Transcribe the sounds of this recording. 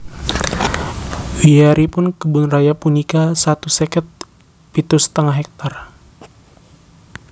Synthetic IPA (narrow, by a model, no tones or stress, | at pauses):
wiaɾipʊnkəbʊnrajapunikasat̪usɛkət̪̚ | pit̪ust̪əŋaɦɛk̚t̪ar